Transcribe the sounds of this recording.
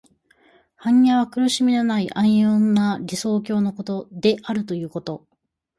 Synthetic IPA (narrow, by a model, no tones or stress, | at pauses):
hãɲjaβ̞akɯ̟ɾɯ̟ɕimʲinonaiʔãɰ̃jõnːaɾʲiso̞ːk̬ʲo̞ːno̞ko̞t̪o̞d̪e̞ʔaɾɯ̟t̪o̞jɯ̟ːko̞t̪o̞